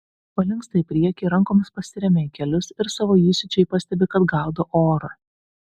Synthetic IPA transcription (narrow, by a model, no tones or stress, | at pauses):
pɐlʲɪŋˑkst̪ɐɪpʲɾʲiɛkʲeɾɐŋkoːmʲɪspɐsʲɪɾʲɛmʲɛɪkʲɛlʲʊsɪɾsɑːʋoːjiːsʲɪt͡ʃʲɛɪpɐsʲt̪ʲɛbʲɪkɐd̪ɡɑˑʊd̪ɐʔoːɾɐ